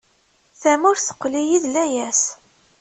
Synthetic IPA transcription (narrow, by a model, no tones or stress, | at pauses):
θæmʊɾθə̥qːlijiðlæjæs